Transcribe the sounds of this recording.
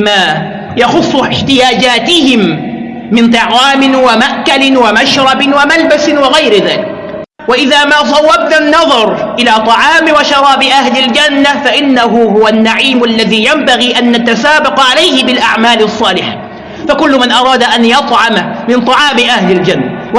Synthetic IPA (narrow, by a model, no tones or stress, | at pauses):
ma | jɑxʊsˤːʊɪħt̪ɪjaːd͡ʒaːt̪ɪhɪmː | ɪnt̪ˤɑʕwaːmɪnwamaʔkalɪnwamaʃɾˤɑbɪnwamalbasɪwɪɣajɾɪðaːlɪk | waʔɪðaːmaːs̬ˤɑwːab̚nanːɑðˤɑɾˤʔɪlaːt̪ˤɑʕɑːmwaʃɑɾˤɑːbɪʔahlɪld͡ʒanːafaʔɪnːaɦʊhʊwanːaʕiːmʔalːaðiːjambaɣiːʔanːat̪asaːbɑqʕalajhɪbɪlʔaʕmaːlɑsˤːɑːlɪħa | fakʊlːʊmanʔɑɾˤɑːd̪aʔanjɑt̪ˤʕɑmamɪnt̪ˤɑʕɑːmɪʔahlɪld͡ʒanːaw